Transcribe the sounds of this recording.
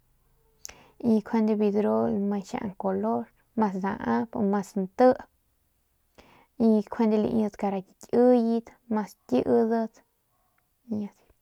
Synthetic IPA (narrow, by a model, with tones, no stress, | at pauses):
i˧kʰe˧nd̪e˧bi˧d̪ɾo˦lmã˧ʃa̰˧ʔa̰˧ŋko˨lo˦ɾ | mã˧s̬d̪ã̰˨ʔã˦po̰˧ɾmã˧snt̪ə˦ʔ | i˧kʷʰe˧nd̪e˧lḭ˧ʔə˧t̪ka˧ɾa˧ki˧tʲɨ˦ji˧t̪mã˧stʲi˦ʔə˧d̪ə˧t̪ | ɲã˧t̪